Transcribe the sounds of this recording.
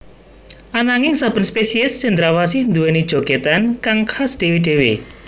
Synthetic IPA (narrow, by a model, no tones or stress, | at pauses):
ʔanaŋɪŋsab̥ə̤nspesiɪsːɪnd̪ɾawas̬ihnd̪uwɛnid̥ʒ̥o̤ɡ̥et̪ankaŋkhasɖ̪̥e̤weɖ̥e̤we